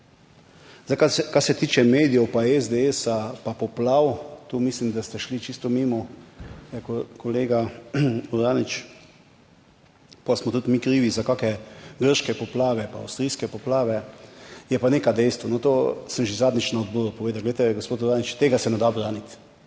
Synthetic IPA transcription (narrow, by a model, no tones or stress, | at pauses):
zakakasɛt̪iːt͡ʃɛmeːd̪ijɛwpaɛzd̪eesapapɔplawt̪umislimd̪ast̪ɛʃlit͡ʃist̪ɔmimɔ | ɛkkɔleːɡauɾaːnit͡ʃ | pasmɔt̪ut̪mikɾiːʋizakaːkɛɡəɾʃkɛpɔplaːʋɛpa̰ːwst̪ɾijskɛpɔplaːʋɛjɛpaneːkad̪ɛjst̪ʋɔnɔt̪osəmʒezaːd̪nit͡ʃnaod̪bɔɾupɔʋeːd̪awɡlɛjt̪ɛɡospoːt̪uɾaːnit͡ʃt̪eːɡasɛnɛd̪abɾaːnit̪